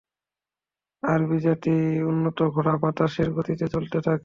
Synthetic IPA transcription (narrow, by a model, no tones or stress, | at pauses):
aɾbid͡ʑat̪iunːot̪oɡʱoɽapat̪aʃeɾɡʱot̪it̪et͡ɕolt̪et̪ʰake